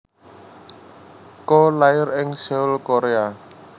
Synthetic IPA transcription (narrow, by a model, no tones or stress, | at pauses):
kolaɪɾɪŋsɛwlkoɾea